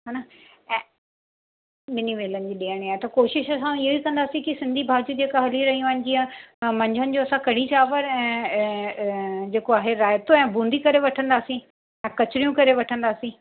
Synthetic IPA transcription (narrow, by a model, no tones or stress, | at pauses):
ɦaːna | ɛ̃ː | ɗɪniʋeːlənɪ̆d͡ʑiːɗiəɽ̃iaːɦet̪ɐkoːʃɪʃɐsãɪɦoikɐ̃nd̪aːsĩkisɪ̃nd̪ʱibʱaːd͡ʑud͡ʑeːkaɦɐliɾɐɦĩʋaːɪnɪ̆d͡ʑiãmɐ̃ɲd͡ʑʱənɪ̆d͡ʑoɐsãkɐɽ̤̃it͡ɕaːʋəɾɛ̃ː | d͡ʑeːkoaːɦeɾaːjt̪oɛ̃ːbũːnd̪ʱikɐɾeʋɐʈʰə̃nd̪aːsĩ | ɛ̃ːkɐt͡ɕɪɾijũkɐɾeʋɐʈʰə̃nd̪aːsĩ